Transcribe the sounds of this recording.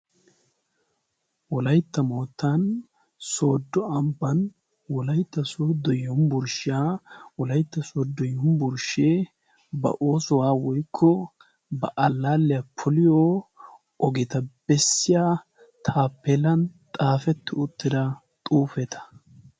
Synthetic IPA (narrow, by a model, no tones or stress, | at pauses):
wɔlɐjt̪ːɐmoːt̪ːɐn | so̞ːd̪ːɔɐmbɐn | wɔlɐjt̪ːɐsoːd̪ɔjːɔmbʊɾʃɪjaːwɔlɐjt̪ːɐsoːd̪ːɔjːɔmbʊɾʃe | bɐ̰ʔo̞ːsɔwaːwɔjkʰːɔ | bɐ̰ʔɐlːaːlːɪjɐpʰʊlɪjoː | ɔɡɪt̪ɐb̥ɛsːɪjaː | t̪ʰaːpːɛlɐnt̪ʼaːfɛt̪ːɪʊt̪ːɪd̪ɐ | t̪ʼuːfɛt̪ʰɐ̥